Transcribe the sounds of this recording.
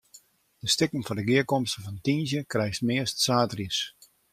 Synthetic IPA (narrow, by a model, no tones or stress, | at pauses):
d̥əstɪkənfɔdəɡɪəkomstəfɔntinzjəkrɛjstmɪəstsaːtriəs